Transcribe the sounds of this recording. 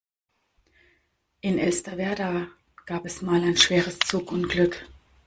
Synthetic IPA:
ʔɪnɛlstavɛɐda | ɡ̥aːpɛsmaːlaɪnʃv̥eːʁəst͡suːkʊntɡ̥lʏk

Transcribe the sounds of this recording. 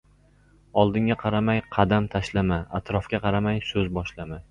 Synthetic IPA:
ɒlˠd̪ɪŋʲaqʰɑɾamajqʰɑd̪amt̪ʰaʃlamaat̪ɾɒfkʲaqʰɑɾamajsɵzbɒʃlama

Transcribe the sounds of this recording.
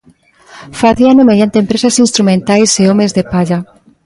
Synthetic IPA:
faθianomeðjant̪eːmpɾesasinst̪ɾumẽnt̪ajseomezðepaʎa

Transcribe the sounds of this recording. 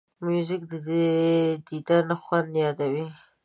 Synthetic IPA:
mjuzɪkd̪əd̪ed̪id̪aɾnaxwand̪jɑd̪awi

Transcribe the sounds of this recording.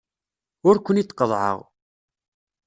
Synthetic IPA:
ʊɾkʷənit͡s̪ːqːəðˤʕə̰ʁ

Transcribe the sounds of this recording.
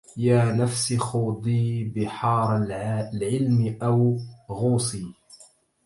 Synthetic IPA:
jaːnafsixuːd̪ˤiːbɪħɑːɾˤlʕɪlmɪʔawɣuːsiː

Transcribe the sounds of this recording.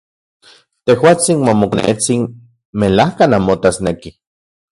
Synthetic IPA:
t̪ehwaːt͡sinmomoknḛt͡sin | melahkanamot̪asneki

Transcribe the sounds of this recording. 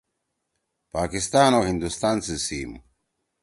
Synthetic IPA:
paːkist̪aːnoːɦind̪ust̪aːnsisiːmu

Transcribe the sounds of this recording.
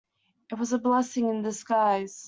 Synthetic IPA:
ɨt̚wʌzəblɛsɪ̃ŋɨ̃ndɨskaɪz̥

